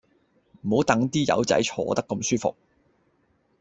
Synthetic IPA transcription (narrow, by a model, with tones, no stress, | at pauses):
m̩˨˩ho˨˥wt̪ɐ˨˥ŋt̪iː˥jɐ̰˨˧˥wt͡sɐ̰˨˥jt͡ʃʰɔ̰ː˧t̪ɐ˥kːɐ˧msyː˥fʊ̰˨k̚